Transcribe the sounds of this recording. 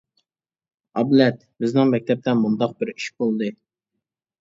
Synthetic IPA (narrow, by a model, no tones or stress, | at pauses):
ɑblɛt̪ | bɪznɪŋmɛk̚ʲt̪ʰɛp̚t̪ɛnmund̪ɑq̚bɪɾiʃbolˠd̪ɨ